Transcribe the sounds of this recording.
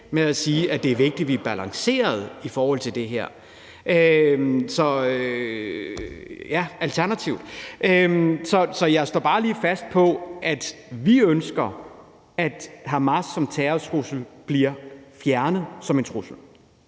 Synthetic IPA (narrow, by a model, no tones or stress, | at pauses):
meæsiːʔæd̥e̝æɐʋe̝ɡ̥̚d̥iʋiæb̥ælɑ̈ŋse̝̰ːɐð̞ˠifɒːhɒ̽l̰t͡sʰeld̥e̝ɦeɐ̰ | ʔømsɒ̽ø | jæælt͡sʰæɐnæt͡sʰiʊ̰d̥ʔømsɒ̽sɒ̽jɑ̈ɪsd̥ɒ̰ːb̥ɑ̈ːliːfæsd̥̚pʰɒ̽ʔæd̥ʋiønsɡ̥ɐ | æd̥hɑmɑsɒ̽mt͡sʰɛːɐt͡sʰʁusl̩b̥liɐfjæɐnəð̞̩ˠsɒ̽me̝nt͡sʰʁusl̩